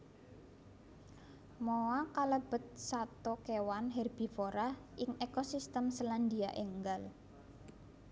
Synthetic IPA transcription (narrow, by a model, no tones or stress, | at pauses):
mowakaləb̥ə̤t̪̚sat̪ɔkewanɦɛrb̥i̤foɾaʔɪŋekosist̪əmsəland̪iaʔeŋɡal